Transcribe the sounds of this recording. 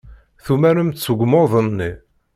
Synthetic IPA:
θumæɾəmt̪t͡sːəɡʷmoðˤənːi

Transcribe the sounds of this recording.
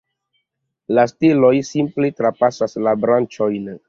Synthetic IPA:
lastilojsimpletɾapasaslabɾant͡ʃojn

